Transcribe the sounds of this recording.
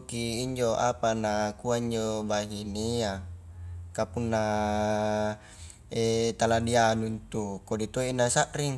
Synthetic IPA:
kiːɲd͡ʒoʔapanakuaiɲd͡ʒobaɦinia | kapunːa | et̪aladianunt̪ukodit̪oinasaʔriŋ

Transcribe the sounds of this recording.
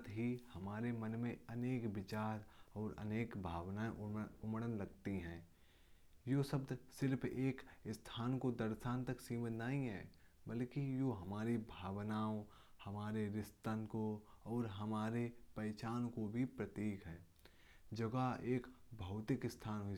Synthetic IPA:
t̪ɦihɐmaːɾemənmẽɐneːkbɪt͡ʃaːɾɔːɾɐ̰neːkbʱaːʋnaːẽʔʊmɽənlɐɡt̪iɦɛ̃ː | joːsəbd̪sɪɾpʰeːkɪst̪ʰaːnkod̪ɐɾʃaːnt̪ɐksiːmənnaːɦĩɦɛ̰ːbəlkijoɦɐmaːɾibʱaːʋnaːõ | hɐmaːɾeɾɪst̪ənkoɔːɾɦɐmaːɾepəɾt͡ʃaːnkobʱipɾət̪iːkɦɛ̃ː | d͡ʒɐɡaeːkbʱɐʊt̪ɪkɪst̪ʰaːnɦʊi

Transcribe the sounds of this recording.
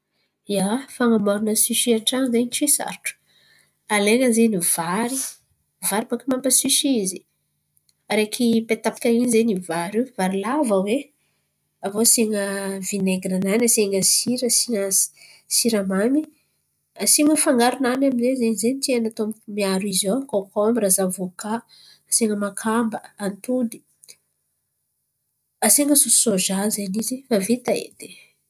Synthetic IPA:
jafaŋamaɾunəsiʃiaʈ͡ʂanzeniʈ͡ʂisa̰ɾʈ͡ʂu̥ | aleŋəzeniv̥aɾi | vaɾipakimampəsiʃizi̥ | aɾekʰipet̪api̥kainizenivaɾivaɾilavawe | avoseŋəvineɡɾananaseŋəsiɾəsiŋḁ | siɾamani | aseŋəfaŋɡaɾunanaminzezenizenit̪ianat̪oammiaɾizoakokoamirazavokaː | seŋəmakʰambəant̪uni̥ | aseŋəsusoʒazeniziavet̪aḛt̪e

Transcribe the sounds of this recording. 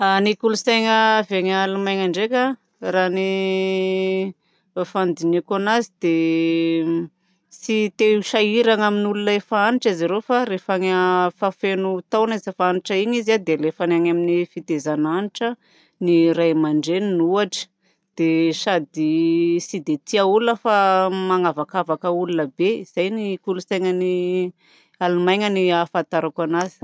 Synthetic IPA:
anikulusajŋəveɲaalumajŋaɳɖ͡ʐekʲa | rani | fand̪inikanazid̪̥e | sit̪eʃaiɾaŋaminulunaefaaniʈ͡ʂiziɾefaɾefaŋəfafenut̪awnazafaaniʈ͡ʂəiɲizad̪elefanaŋaminifit̪ezananiʈ͡ʂə | niɾajmaɳɖ͡ʐeninuaʈ͡ʂə̥ | d̪̥eʃad̪isid̪et̪iaulunəfamaŋavakavakəulunəbeiz̥ajnikulusajŋəni | alumajŋəniafant̪aɾakanazi̥

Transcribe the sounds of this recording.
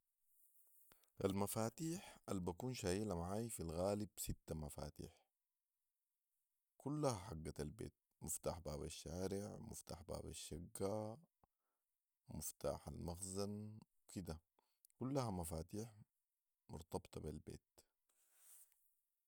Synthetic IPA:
ʔalmafaːt̪iːħʔalbakuːnʃaːjiːlamaʕaːjfilɣaːlibsit̪ːamafa̰ːt̪ḭːħ | kulːahaħaɡːaalbḛːt̪̚ | mʊft̪aːħbaːbaʃːaːɾɪʕmṵft̪a̰ːħba̰ːba̰ʃːaɡːa | mʊft̪a̰ːħalmaxzanwkid̪a | kulːahamafaːt̪iːħ | mʊ̰ɾt̪ɑbt̪ˤɑbilbḛːt̪

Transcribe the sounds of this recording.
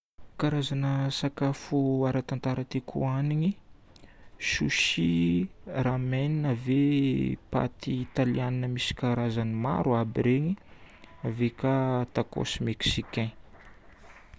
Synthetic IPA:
kaɾazanəsakafuaɾat̪ant̪aɾət̪ekʰṵaniɲi | ʃuʃi | rameninəvepa̰t̪iːt̪alianinəmisi̥kaɾazanima̰ɾuabiɾeɲi | avekat̪ako̰smeksikɛ̃

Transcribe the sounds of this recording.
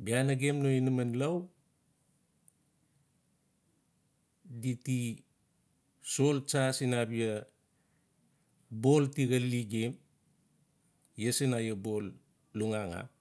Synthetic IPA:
bianaɡemnoinamanlaw | diti | so̞lt͡ʃasinabia | bo̞ltiɡalːiɡem | jesenajabo̞lː | uŋaŋa̰

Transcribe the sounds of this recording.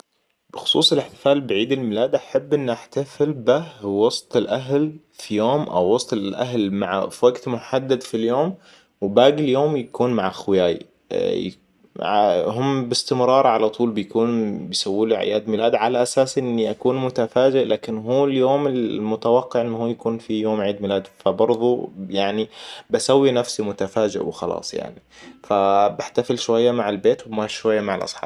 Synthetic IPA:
b̥ɪxʊ̥sˤṵːsˤɪlɪħt̪ɪ̥faːlbɪʕiːd̪ɪlmɪlaːd̪ʔaħabːʔɪnːʔaħt̪afɪlbɪhwɑsˤt̪ˤɪlʔaɦl | fijoːmʔa̰wːɑsˤt̪ˤɪʔa̰ɦlmaʕawaɡt̪mʊħad̪ːad̪filjoːm | wbaːɡɪljoːmjakuːnmaʕxwɪjaːj̰ | aɦʊmːbɪst̪ɪmɾˤɑːɾˤʕalat̪ˤuːlbɪjkuːnbɪjsawːiːluʕɪ̰jaːd̪mɪlaːd̪ʕalaʔasaːsʔɪnːiʔakuːnmʊt̪afaːd͡ʒɪʔlaːkɪnɦuːljoːmɪlmʊt̪awɑqːɪʕʔɪnːhuːjakuːnfijoːmʕiːd̪mɪlaːd̪fabɑɾˤðˤujaʕnibasawːinafsimʊt̪afaːd͡ʒɪ̰ʔwɪxɑlɑ̰ːsˤja̰ʕni | fabɪħt̪afɪlʃwajːamaʕɪlbeːt̪wbmaːʃʃwajːamaʕalʔɑ̰sˤħɑ̰ːbb

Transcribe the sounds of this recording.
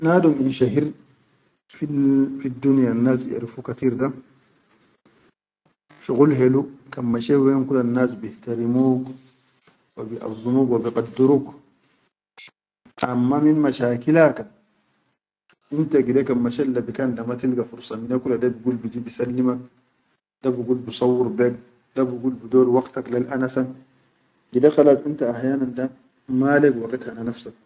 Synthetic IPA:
naduminʃaɦiɾ | fifidːunijanːasɛ̰ɾfukatiɾda | ʃuɣulɦɛlukamːaʃɛwɛŋkulanːasbihtaɾimuɡ | wabiʔa̰zumuɡwabiqʼadːuɾuk | ʔa̰mːaminmaʃaːkilakan | ʔintaɡidekanmaʃɛlːabikandamatilɡafuɾsaminakuladabiɡulbid͡ʒibisalːimak̚ | dabuɡulbusawːuɾbɛɡ̚ | dabuɡulbudɔːɾwaktaklalʔanasan | ɡidaxalatintaːhjanandan | maːlɛɡwakathananafsak̚

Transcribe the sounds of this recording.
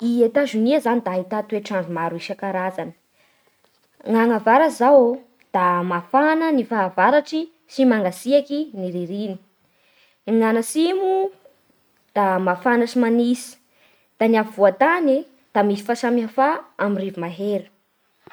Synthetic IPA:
iet̪aʒuniazanid̪aɦit̪at̪ueʈ͡ʂaɳɖ͡ʐumaɾuiʃakaɾazanə̥ | ŋaŋavaɾazaw | d̪̥amafanənifaːvaɾaʈ͡ʂi | simaŋɡasiakiniɾiɾini̥ | ŋanasimu | d̪̥amafanəsimanisi̥ | d̪̥anavivuat̪ani | d̪̥amisi̥fasamiafaamirivumaɦeɾi̥

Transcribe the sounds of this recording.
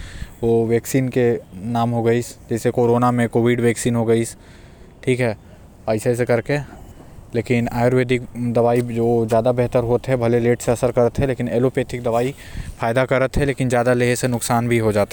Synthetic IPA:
ʋoːʋɛːksiːnkenaːmɦoɡəisd͡ʒɛːsekoːɾoːnamẽkoːʋiɖʋɛːksiːnɦoɡəis | ʈʰiːkɦɛː | aːɪsas̬ekɐɾke | leːkɪnaːjɾʋeːd̪ɪkd̪ɐʋaːid͡ʒoːzjaːd̪abɛɦt̪əɾɦoːt̪ɦɛbʱɐleleːʈseɐsəɾkɐɾət̪ɦɛleːkɪneːlopet̪ʰɪk̚d̪ɐʋaːi | faːɪd̪akɐɾət̪ɦɛleːkɪnzjaːd̪aleɦesenʊksaːnbʱiɦod͡ʒaːt̪a

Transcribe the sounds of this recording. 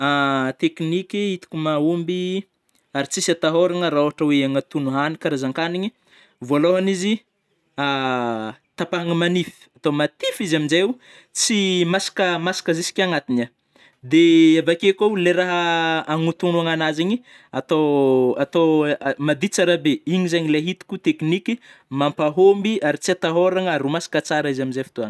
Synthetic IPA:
at̪eknikʲiit̪i̥kʲumaumbi | aɾit͡sisat̪aɦoɾaŋəɾaoɦaʈ͡ʂəweaŋat̪unuɦanikaɾazaŋkaniɲi | voloɦanizi | a | t̪apaŋəmanifi̥at̪omat̪ifizaminzeu | t͡simasḁkəmasḁkəzisi̥kʲaŋat̪ina | d̪eavakekoleɾaɦəaŋut̪unuaŋanaziɲi | at̪oat̪omad̪it͡saɾabeiɲizaɲileɦit̪i̥kut̪eknikʲimampaɦombiaɾit͡siat̪aɦoɾaŋaɾumasḁkət͡saɾaizaminzefi̥t̪uan

